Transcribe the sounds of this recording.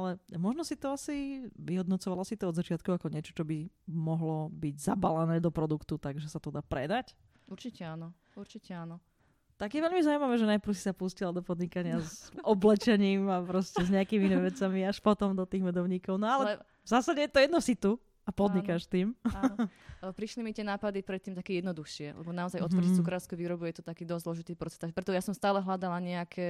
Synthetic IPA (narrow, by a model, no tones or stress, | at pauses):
alɛmɔʒnɔsit̪ɔasiʋiɦɔd̪nɔt͡sɔʋalasit̪ɔɔd̪zat͡ʃɪat̪̚kuakɔɲɪɛt͡ʃɔ̥t͡ʃɔbimɔɦlɔbiɟzabalanɛːd̪ɔpɾɔd̪ukt̪ut̪aɡʒɛsat̪ɔd̪aːpɾɛ̰d̪ac | uɾt͡ʃicɛaːnɔ | uɾt͡ʃicɛanɔ | t̪aɡjɛʋɛʎmizaumaʋɛːʒɛnajpɾ̩ʊsi̥sapuscilad̪ɔpɔd̪ɲikaɲɪazɔblɛt͡ʃɛɲiːmapɾɔscɛzɲɛakiminiʋɛt͡samiaʃpɔt̪ɔmd̪ɔt̪iːɣmɛd̪ɔʊɲiːkɔʊnɔalɛɛ | vzaːsaɟɛjɛt̪ɔjɛd̪nɔsit̪u | apɔd̪ɲikaʃt̪iːmː | pɾiʃlimit̪ɪɛnaːpad̪ipɾɛt̪ːiːmt̪akɛjɛd̪nɔd̪uxʃɪɛlʔɛ̰bɔnaɔzajʔɔt̪ɔɾit͡sukɾaʊskuʋiːɾɔbujɛt̪ɔt̪akiːd̪ɔzzlɔʒit̪iːpɾɔtt͡sɛ̥t̪apɾɛt̪ɔjasɔmst̪aːlɛɦlad̪alaɲɛakʰɛ